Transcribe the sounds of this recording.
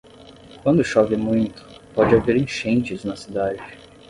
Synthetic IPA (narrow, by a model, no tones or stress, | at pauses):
kwɐ̃nd̪ʊʃɔvɪmũj̃t̪ʊ̥pɔd͡ʒɪaveɾẽʃẽnt͡ʃɪznɐsid̪ad͡ʒɪ